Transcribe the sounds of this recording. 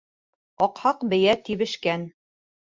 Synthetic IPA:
ɒqhɑqbɘ̆jæt̪iβɘ̆ʃkæn

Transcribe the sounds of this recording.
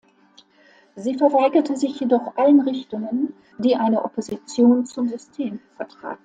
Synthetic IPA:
ziːfɛɐvaɪɡɐtəzɪçjedɔχʔalənʁɪçtʊŋən | d̥iːʔaɪnəʔopʰozit͡sjoːnt͡sʊmzʏstʰeːmfɛɐtʁ̥a̰ːt̩̚

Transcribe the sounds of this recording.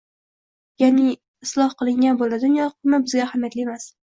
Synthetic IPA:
janɪ | ɪslˠɒhqɨlˠɪŋɡʲanbolad̪ʊnjɒqʰmɪbɪzɡʲaːhamjat̪lɪemas

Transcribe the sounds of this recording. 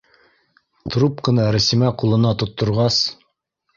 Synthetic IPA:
t̪rupqɤ̆nɑɾɘ̆simæqulˠɤ̆nɑt̪ŏt̪ːŏɾʁɑs

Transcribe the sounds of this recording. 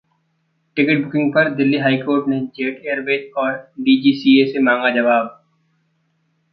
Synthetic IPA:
ʈɪkɪʈ̚bʊkɪ̃ŋɡ̚pɐɾd̪ɪlːiɦaːikoːɾʈned͡ʒeːʈeːəɾbeːt͡ʃɔːɾɖiːd͡ʒiːsiːesemãːŋɡad͡ʒɐʋaːb̚

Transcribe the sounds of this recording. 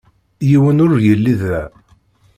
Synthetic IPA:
jiwənʊɾjəlːiðæ

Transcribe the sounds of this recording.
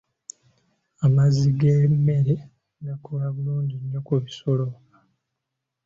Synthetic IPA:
amaziɡemːe̞ɾe | ɡakʰolaβuluːɲɟiɲːokuβiso̞lo

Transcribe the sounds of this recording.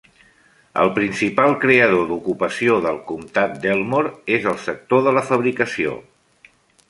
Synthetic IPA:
ə̰lˠpɾinsipalˠkɾeəð̞od̪ukupəsioðəlˠkumt̪at̪̚d̪elˠmoɾezəlˠsək̚t̪oðələfəβɾikəsio̰

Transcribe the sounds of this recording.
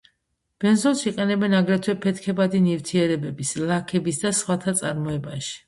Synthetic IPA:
b̥ɛnzɔlˠsiqʼɛnɛbɛnaɡɾɛt̪ʰwɛpʰɛt̪ʰkʰɛbad̪inift̪ʰiɛɾɛbɛbislˠakʰɛbisd̪asχwat̪ʰat̪sʼaɾmɔɛbaʃi̥

